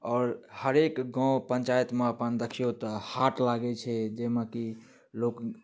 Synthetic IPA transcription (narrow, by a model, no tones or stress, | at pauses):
ɔːɾhəɾekɡãwpəɲt͡ʃajt̪meəpənd̪əkʰijot̪ɔhaʈlaɡɛt͡ʃʰɛd͡ʒeməki | lok